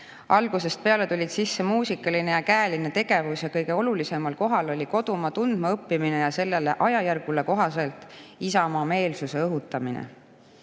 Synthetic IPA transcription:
ɑlɡ̥use̞st̪̚pe̞ɑle̞t̪ulʲid̪̥sisːe̞muːsikːˑɑline̞jɑkæːline̞t̪e̞ɡ̥e̞vusjɑkɤjɡ̥e̞o̞lulise̞mɑlko̞ɦɑlo̞lʲiko̞d̪̥umɑt̪und̪̥mɑɤpːimine̞jɑse̞lːe̞le̞ʔɑjɑjærɡ̥ule̞ko̞ɦɑse̞lt̪ˑisɑmɑːme̞ːlsuse̞ɤɦut̪ːˑɑminḛ

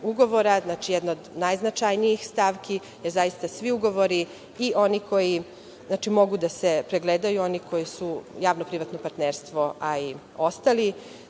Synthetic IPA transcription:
uɡo̞ʋo̞ɾaznat͡ʃijɛd̪nood̪najznat͡ʃajnijixst̪aʋki | jezajist̪asʋiuɡo̞ʋo̞ɾi | iʔo̞niko̞ji | znat͡ʃimo̞ɡud̪asepɾeɡled̪ajuoniko̞jisujaːʋnopɾiʋat̪nopaɾt̪neɾst̪ʋo̞ʔai | o̞st̪ali

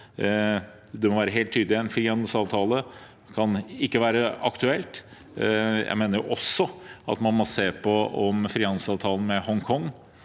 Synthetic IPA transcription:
d̪ɛmɔʋæːɾəɦeːlt̪ʰːyːd̪lɪɛnfɾiːhɑnd̪l̩sɑːʋt̪ʰɑːlə | kʰɑnɪkːəʋæːɾəɑkt̪ʉɛlt̪ | jæ̰ɪmeːnəɾjʊʔɔsːɔɑ̰t̪mɑnmɔseːpʰɔɔmfɾiːhɑnd̪̩sɑːʋt̪ʰɑːlən̩mɛhɔŋkʰɔŋː

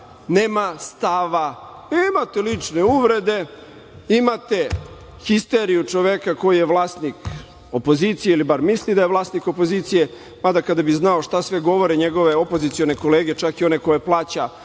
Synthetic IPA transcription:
neːmast̪aʋa | neːmat̪elit͡ʂne̞uʋɾe̞d̪e̞ | imat̪e̞ | xist̪eɾijut͡ʂo̞ʋekako̞jijeʋlˠaːst̪nik | opo̞zit̪sijeilibaɾmislid̪aje̞ʋlˠaːst̪niko̞po̞ziːt̪sije̞ | mad̪akad̪abiznaoʂt̪asʋe̞ɡo̞ʋo̞ɾeɲeɡo̞ʋe̞o̞pozit̪sio̞ne̞ko̞leːɡe̞t͡ʃakio̞ne̞ko̞je̞plˠaːt͡ɕa

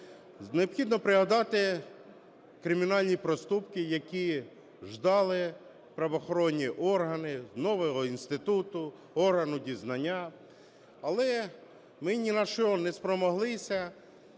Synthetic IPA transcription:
neɔpxʲid̪nɔpɾɪɦɐd̪ɑt̪ɪ | kɾɪmʲinɑlʲnʲipɾɔst̪upkɪjɐkʲi | ʒd̪ɑlˠɪ | pɾɐʋɔxɔɾɔnʲːiʔɔrɦɐnɪnɔʋɔɦɔinst̪ɪt̪ut̪ʊ | ɔrɦɐnʊdʲiznɐnʲːa | ɐlˠɛ | mɪnʲinɐʃɔnɛspɾɔmɔɦlˠɪsʲɐ

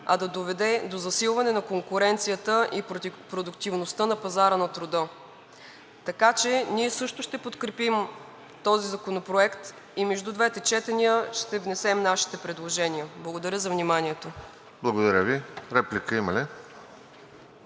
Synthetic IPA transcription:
ɐd̪ɐd̪ovɛd̪ɛd̪ozɐsilˠvɐnɛnɐkoŋkʊɾɛnt̪sijət̪əʔipɾod̪ʊkt̪ivnost̪ənɐpɐzaɾənɐt̪ɾʊd̪ɤ | t̪ɐkat͡ʃɛniɛsɤʃt̪ʊʃt̪ɛpot̪kɾɛpim | t̪ɔzizɐkonopɾoɛkt̪ | imɛʒd̪ud̪vɛt̪ɛt͡ʃɛt̪ɛnijəʃt̪ɛvnɛsɛmnaʃi̥t̪ɛpɾɛd̪lˠoʒɛnʲijəblˠəɡod̪ɐɾʲjəzɐvnimanʲiɛt̪o | blˠɐɡod̪ɐɾʲəviɾɛplʲikəimɐli

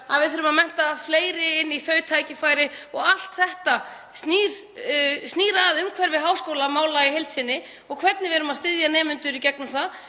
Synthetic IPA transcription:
aðvɪðθʏɾʏmaðmɛn̥t̪afleːjɾɪɪnːiθœːɥt̪ʰaːjcɪfaːjɾɪɔɣal̥t̪θɛht̪a | sniːɾ̥ | stniːɾaðʏmkʰvɛɾvɪðɦaːwskowlamaːwlaiɦejlt̪sɪnːɪ | ɔɣkʰvɛt̪nɪvɛɾʏmaðst̪ɪðjanɛːmʏnt̪ʏɾicɛknʏmθað

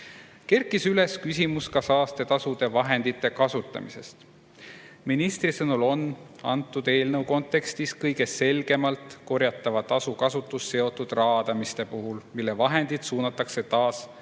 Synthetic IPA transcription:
ke̞rkːˑisyle̞skys̬ʲimuskɑsɑːst̪e̞t̪ɑsud̪̥e̞vɑɦe̞nd̪̥it̪ːˑe̞kɑsut̪ːˑɑ̰mḭse̞̰st̪ | minist̪risɤnulo̞n | ɑ̰nt̪ːˑud̪e̞ːlnɤwko̞nt̪ːˑe̞kst̪iskɤjɡe̞se̞lɡ̥e̞mɑlt̪ˑko̞ɾjɑt̪ːˑɑvɑt̪ɑsukɑsut̪ːˑusse̞o̞t̪ːˑud̪̥rɑːd̪̥ɑmist̪e̞puɦulmilːe̞vɑɦe̞nd̪̥id̪̥suːnɑt̪ːˑɑkse̞t̪ɑːs

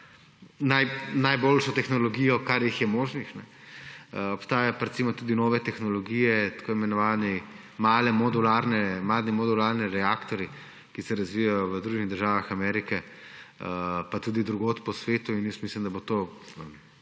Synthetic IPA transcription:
najnajboːlʃɔt̪ɛxnɔlɔɡiːjɔkaɾjixjɛmoːʒnixnɛ | ɔpst̪aːjapaɾɛt̪simɔt̪uːd̪inɔːʋɛt̪ɛxnɔlɔɡijɛt̪ḁkoːimɛnɔʋaːnɛ | maːlɛmɔd̪ulaːɾnɛmaːd̪nimɔd̪ulaːɾniɾɛaːkt̪ɔɾji | kisɛɾazʋijajɔʋəd̪ɾuːʒɡiɣd̪əɾʒaːʋaxamɛɾikɛ | əpat̪uːd̪id̪ɾuɡoːt̪pɔsʋeːt̪uinjəst̪mislimd̪abot̪oːə

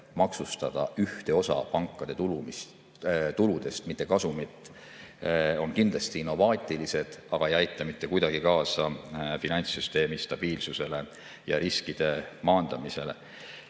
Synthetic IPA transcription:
mɑksust̪ɑd̪̥ɑʔyht̪e̞o̞sɑ̰pɑŋkːˑɑd̪e̞t̪ul | t̪ulud̪̥e̞st̪mit̪ˑːe̞kɑsumit̪ːˑ | o̞nkind̪lɑst̪iinːo̞vɑːt̪ʲːˑilise̞d̪̥ɑɡ̥ɑejɑjt̪ˑːɑmit̪ːe̞kujd̪ɑɡ̥ikɑːsɑfinɑnʲsyst̪e̞ːmist̪ɑb̥iːlsuse̞le̞ | jɑɾiskid̪̥e̞mɑːnd̪̥ɑmise̞le̞̰

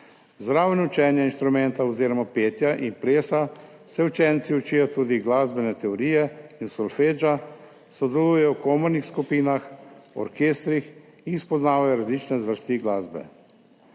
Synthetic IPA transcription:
zd̪ɾaːwnut͡ʃɛnjainst̪ɾumɛnt̪aɔziːɾɔmapeːt̪jaʔinpɾeːsa | sɛut͡ʃɛːnt̪siut͡ʃiːjɔt̪uːd̪iɡlaːzbɛnɛt̪ɛɔɾijɛinsɔlfeːd͡ʒa | sɔd̪ɛluːjɛjɔwkomɔɾnixskupiːnaxɔ̰ɾkeːst̪ɾix | inispɔznaːʋajɔɾazlit͡ʃnɛzʋəɾst̪iɡlaːzbɛ̰

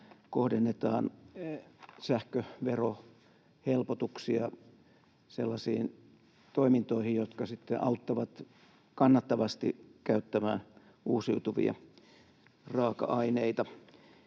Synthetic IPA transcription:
kohdenːet̪ɑ̰ːn | sæhkøʋero | helpot̪uksiɑ | selːɑsiːn | t̪oimint̪oihijjot̪kɑsit̪ːḛʔɑut̪ːɑʋɑt̪ | kɑnːɑt̪ːɑʋɑst̪ḭkæyt̪ːæmæːn | uːsiut̪uʋḭɑ̰ | rɑːkɑ̰ɑineit̪ɑ

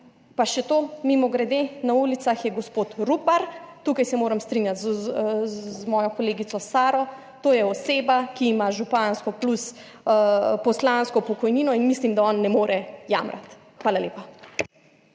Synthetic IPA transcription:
paʃɛt̪oːmimɔɡɾɛd̪enaulit̪saxjɛɡɔspoːt̪ɾupaɾt̪ukajsɛmoːɾɐmst̪ɾinjat̪z | zmɔːjɔkɔleːɡit̪sɔsaːɾɔ | t̪oːjɛɔseːbakiːmaʒupanskɔplus | pɔslanskɔpɔkɔjniːnɔinmislimd̪aɔnːɛmoːɾʔɛja̰ːmɾa̰t̪ | xʋaːlaleːpa

